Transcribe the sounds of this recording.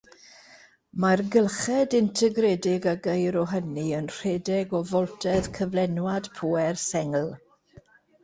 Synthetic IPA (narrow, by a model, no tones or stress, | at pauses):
marɡəlˠχɛdɪntʰɛɡrɛdɪɡaɡejɾɔɦəniənr̥ɛːdɛɡɔvɔlˠtʰɛðkʰəvlɛnwad̥pʰuːɛrsɛŋlˠ